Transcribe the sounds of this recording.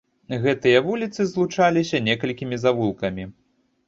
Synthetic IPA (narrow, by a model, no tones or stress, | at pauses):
ɣɛt̪ɨjɐvulʲit̪sɨzlˠut͡ʂalʲisʲɐnʲɛkɐlʲkʲimʲizavulˠkɐmʲi